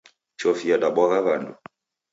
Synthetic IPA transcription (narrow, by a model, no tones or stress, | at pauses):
t͡ʃɔfiaɗaɓɔɣaɣandṵ